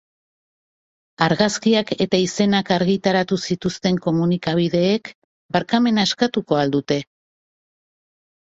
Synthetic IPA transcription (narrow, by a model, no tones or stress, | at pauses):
aɾɣaskiake̞t̪aise̞nakaɾɣit̪aɾat̪usit̪ust̪e̞ŋko̞munikaβ̞iðe̞ːk | baɾkame̞nae̞skat̪uko̞ald̪ut̪e̞